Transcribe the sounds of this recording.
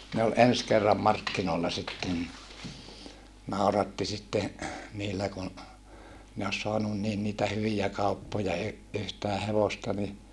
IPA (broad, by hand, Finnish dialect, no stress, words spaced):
ne ol ens kerːɑm mɑrkːinoːlːɑ sitːen ni nɑˑurɑtːi sitːe niːlːæ kun ne os soɑnun niːn niːtæ hyʋijæ kɑupːojɑ y yhtæː heʋostɑ ni